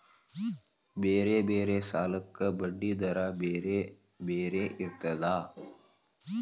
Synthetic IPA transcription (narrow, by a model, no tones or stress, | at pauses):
beːɾeːbeːɾeːsaːləkːəbəɖːiːd̪ɐɾaːbeɾe | beːɾeːʔɪɾt̪əd̪aː